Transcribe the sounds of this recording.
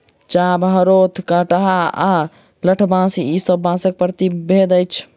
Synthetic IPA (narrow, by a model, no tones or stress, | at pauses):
t͡ʃabɦəɾot̪ʰkəʈəɦaa | ləʈʰbãsiisəbːãsək̚pɾət̪ibʱed̪əjt͡ʃʰ